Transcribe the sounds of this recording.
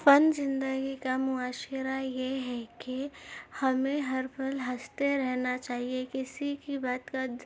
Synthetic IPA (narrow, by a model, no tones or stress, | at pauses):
fɐnzɪ̃nd̪əɡikamʊaːʃəɾajeɦɛkihɐmẽɦɐɾbʰəlɦɐst̪eɾɛɦnat͡ʃaːɦiekɪsikibaːt̪kad̪